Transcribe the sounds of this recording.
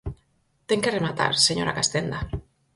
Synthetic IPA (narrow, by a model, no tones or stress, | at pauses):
t̪eŋkeremat̪a̰ɾseɲoɾa̰kast̪end̪a